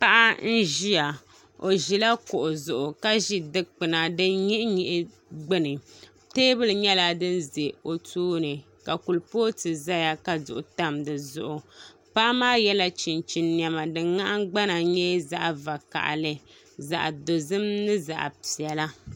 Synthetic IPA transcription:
pa˦ʔa˦n̩˦ʒi˦a˨ | o˨ʒi˨la˦kʊ˨ʔʊ˨zʊ˨ʔʊ˨ka˦ʒi˦dɨ˦k͡pɨ˨na˨dɨ˦nɲi˦ʔɲi˨ʔɪ˦ | ɡ͡bɨ˦nɨ˨ | teː˦bɨ˦lɨ˨ɲɛ˦la˦dɨ˦nze˨o˨tʰuː˦nɨ˨ | ka˨ku˨lpoː˦tɨ˨za˦ja˦ka˨zʊ̰˨ʔʊ˨ta˦mdɨ˨zʊ̰˨ʔʊ˨pa˦maː˦jɛ˦la˦t͡ʃi˨nt͡ʃi˨nnjɛ˨ma˨dɨ˨ŋŋa˦ʔɡ͡ba˦na˨ɲɛ˦za̰˦ʔva˨ka̰˨ʔlɨ˨ | za̰˨ʔdo˨zɨ˦mnɨ˦za̰˨ʔpi˨ɛ˨la˦

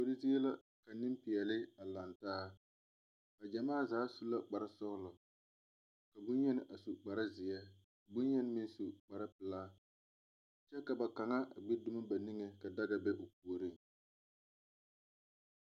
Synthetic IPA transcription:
po˦ɾi˦zi˦ɛ˦la˦ | ka˨nɪ˦mpɪ˨ɛ˨lɪ˦a˨la˨ntaː˦ | a˨d͡ʒa˨maː˦˨zaː˨˦su˦la˦k͡pa˨ɾa˦sɔ˦ɣlʊ˨ | ka˨bʊ˦nɲɛ˦nɪ˦ʔa˨su˨k͡pa˨ɾa˦zɪ˨jɛ˦˨ | ɡ͡bʊ˦njɛ˦n˦mɪ˦n˦su˨k͡pa˨ɾa˦pɪ˨laː˦ | t͡ʃɛ˦ka˨ba˨ka˨ŋa˦ʔa̰˨ɡ͡be˦dʊ˦ma˦ba˨ni˦ŋe˨ka˨da˦da˨bɛ˦ʔo˨p̚u˨o˨ɾi˦˨ŋ

